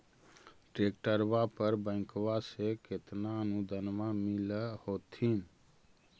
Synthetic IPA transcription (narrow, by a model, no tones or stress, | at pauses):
ʈɾek̚ʈəɾbapəɾbə̃ɪ̃kwaseket̪naənud̪ʱənmamiləhot̪ʰin